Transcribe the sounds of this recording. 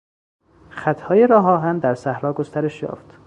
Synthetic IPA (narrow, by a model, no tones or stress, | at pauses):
xæt̪ʰhɒːjeɾɒːɦɒːɦænd̪æɾsæhɾɒːɡost̪æɾe̞ʃjɒ̰ːft̪